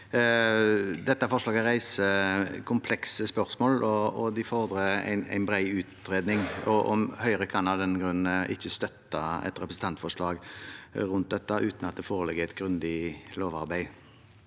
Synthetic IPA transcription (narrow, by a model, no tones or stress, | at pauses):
d̪ɛt̪ːəfɔʂlɑːɡæɾʁæɪsəkʰʊmpʰlɛksəspœɾsmoːlɔɔd̪ɪfɔʁd̪ɾəæ̰ɪnæ̰ɪnbɾæɪʉːt̪ɾeːd̪nɪŋɔʔɔmhœʏɾəkʰɑnɑd̪ɛnːɡɾʉnːəʔɪçːəst̪œt̪ːɑɛ̰t̪ɾɛpɾəsn̩t̪ʰɑnt̪fɔʂɭɑːɡɾʉnt̪̚d̪ɛt̪ːəʔʉːt̪nɑt̪̚d̪ɛfoːɾəlɛɡːəɛt̪ɡɾʉnd̪ɪloːʋɑɾbæɪ